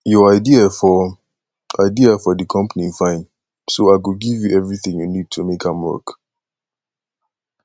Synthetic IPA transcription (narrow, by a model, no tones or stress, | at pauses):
jɔaɪdiafɔ | ʔaɪdiafɔdikʰʌ̃mpənifãɪ̃n | soaɪɡoɡivjuʔɛvɹiθĩŋjunid̚tʰumekʰãmwɜ̰k